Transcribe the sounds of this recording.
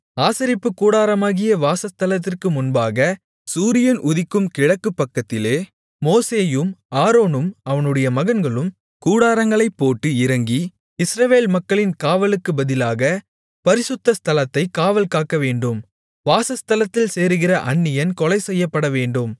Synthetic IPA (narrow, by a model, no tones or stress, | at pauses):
aːsɪɾɪpːɯkːuːɽaːɾɐmaːɣɪjɐʋaːsɐst̪ɐlɐt̪ːɪrkɯmʊnbaːɣɐ | suːɾɪjɐnʔʊðɪkːɯmkɪɻɐkːɯpːɐkːɐt̪ːɪleː | moːseːjɯmaːɾoːnɯmɐʋɐnɯɽɐjɐmɐɣɐnɡɐɭɯm | kuːɽaːɾɐŋɡɐɭɐɪpːoːʈːɯɪɾɐŋɡi | ɪsɾɐʋeːlmɐkːɐɭɪnkaːʋɐlɯkːɯbɐðɪlaːɣɐ | pɐɾɪsɯt̪ːɐst̪ʰɐlɐt̪ːɐɪkːaːʋɐlkaːkːɐʋeːɳɖɯm | ʋaːsɐst̪ɐlɐt̪ːɪlseːɾɯɣɪrɐʔɐɳːɪjɐnkɔlɐɪsɛjːɐpːɐɽɐʋeːɳɖɯm